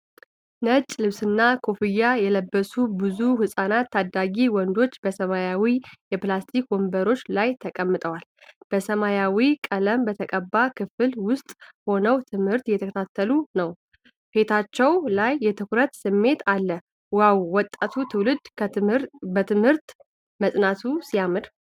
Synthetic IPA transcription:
nət͡ʃʼlɨβsɨnːakʰo̞fɨjːajɛləbːəsubɨzuhɨsʼanat̪ʰːad̪aɡiwɔnd̪o̞t͡ʃːbəsəmajawijɛplast̪ʰikwɔmbəɾo̞t͡ʃːlajt̪ʰəkʼəmːɨt̪ʼəwal | b̥əsəmajawikʼələmbət̪ʰəkʼəbːakʰɨfɨlwʊst̪ʼho̞nəwt̪ʰɨmhɨɾt̪jɛt̪ʰəkʰət̪ʰat̪ʰːəlunəw | he̞t̪ʰat͡ʃːɛwlajːɛt̪ʰɨkɾət̪sɨmːe̞t̪ʰalːə | wawːɔt̪ʼːat̪ʰut̪ʰɨwlɨd̪ | bət̪ʰɨmhɨɾt̪ | məsʼnat̪ʰusijamɨɾ

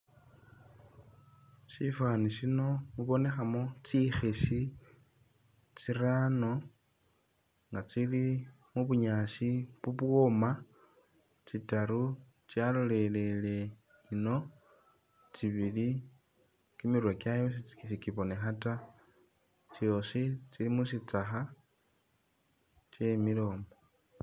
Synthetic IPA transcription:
ʃifaniʃino̞muβo̞ne̞xamo̞t͡sixeʃi | t͡sirano̞ | ŋɡat͡sili | muβuɲaʃiβuβwo̞ma | t͡sitaɾu | t͡sjalole̞le̞le̞ | ino̞ | t͡siβili | kimirwekjajos̬it͡si̥kifikiβo̞ne̞xata | t͡sjo̞sit͡silimusit͡saxa | t͡ʃe̞milo̞ːmo

